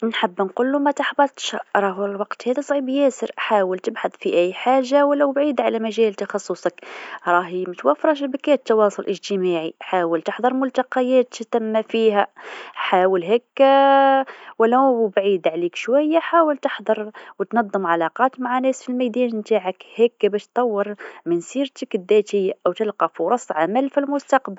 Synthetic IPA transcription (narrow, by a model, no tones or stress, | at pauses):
nħəbːnqulːumæt̪aħbɑt̪ʃaɾˤɑɦlwɑqt̪hæd̪æsˤʕibjæsəɾʔħaːwəlt̪əbħɑd̪ˤfiʔæjːħaʒːawəlːæwbʕiːd̪ʕalæmæʒælt̪ɑxɑsˤːusˤɑkɾˤɑɦmæt̪wæfɾˤɑʃ̬bækæt̪ːɑwɑsˤʊlʔəʒt̪əmaʕiħaːwəlt̪əħd̪ˤɑɾˤmʊlt̪ɑqɑjæːt̪t̪æmːæfiɦæħaːwəlɦækː | wælːæbʕid̪ʕlikʃwæjːaħawəlt̪əħd̪ˤɑɾˤwt̪nɑd̪ˤːəmʕalɑqɑt̪maʕanæsfilmæd̪inmt̪aʕəkhækːbæʃt̪ˤːɑwːəɾˤmənsiɾt̪əkd̪ːæt̪əjːaʔæwt̪əlqɑfuɾˤɑsˤːʕamælfilmʊst̪ɑqbəl